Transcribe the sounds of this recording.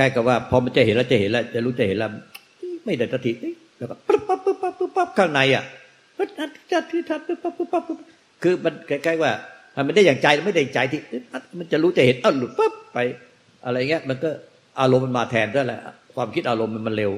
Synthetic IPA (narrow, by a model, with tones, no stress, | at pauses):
kʰa˧˩jka˨˩p̚waː˥˩pʰɔ˧ma˧nt͡ɕa˨˩he˨˦nla˧˩t͡ɕa˨˩he˩˦nla˧˩t͡ɕa˨˩ɾuː˦˥t͡ɕa˨˩he˨˦laː˧˩˧ | ɯ˧˥˦ma˥˩jdaː˨˩k̪̚t̪sʰa˧t̪ʰi˨˩ʔɯ˧˥˦ | bɛː˨˩waː˥˩pɯ˦˧˥pa˦˥˩p̚ːɯ˦˥pːa˧˥˩p̚ːɯ˧˥pa˦˥˩p̚kʰaː˥˩ŋna˧˦jʔa̰˨˩ʔ | ma˧˥ʔa˧˩t̪ʰːta˧˩t̪ʰɯː˧˩t̪ʰa˧˩pɯ˧˥˩pa˦˥˩pːɯ˧˥pa˦˥˩pɯ˦˥˩p | kʰɯː˧ma˧nka˧˩kʰaː˥˩jwaː˥˩t̪ʰa˧˩ma˧nda˥˩jaː˨˩ŋt͡ɕa˧ja˧˩ma˥˩jda˥˩ja˨˩t͡ɕa˧jt̪ʰiː˧˩ʔɯ˧˥ʔa˧˩ma˧nt͡ɕa˨ɾuː˦˥t͡ɕa˨˩he˨˦nʔa˧˨˩wlu˨˩t̪̚pə˦˥˩p̚ːa˧j | ʔa˧ɾa˧jŋːi˦ɐ˧ʔma˧nkɔː˥˩ | ʔaː˧lo˧mːa˧nmaː˧t̪ʰɛː˧nt̪ʰaː˧˥˩lɛ̰˨˧˩ʔkʰwaː˧mkʰi˦˥t̪̚ʔaː˧lo˧mːa˧nma˧nle˧w